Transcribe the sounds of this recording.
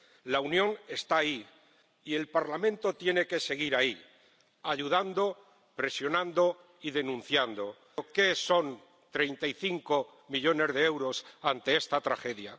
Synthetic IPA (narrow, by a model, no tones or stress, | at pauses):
launjõ̞ne̞st̪aːiː | e̞lpaɾlamẽnt̪o̞t̪je̞ne̞ke̞se̞ɣ̞iɾai | aʎuð̞and̪o̞ | pɾe̞sjo̞nãnd̪o̞ | iðe̞nũn̟θjand̪o̞ | ke̞so̞n | t̪ɾe̞jnt̪aiθiŋko̞ | miʎo̞ne̞zðe̞ewɾo̞sant̪e̞e̞st̪at̪ɾaxe̞ðja̰